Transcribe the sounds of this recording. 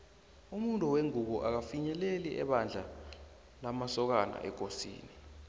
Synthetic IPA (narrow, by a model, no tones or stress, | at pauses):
umuntʼuweŋuk̬ɔʔak̬afiɲɛleliʔɛ̰ɓand͡ɮʱa | lamasɔk̬ana̰ʔɛk̬osḭːni